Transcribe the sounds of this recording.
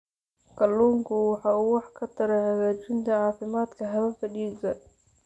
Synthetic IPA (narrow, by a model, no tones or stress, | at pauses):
kʰɐlːuːŋkʰʊwɑħɑːuːwɑħkʰɐt̪ʰɐɾɛhɐɣaːt͡ʃɪnt̪ʰɐʕɑːfɪmaːd̪kʰɐɦɐβɐfɐɗiːsɐ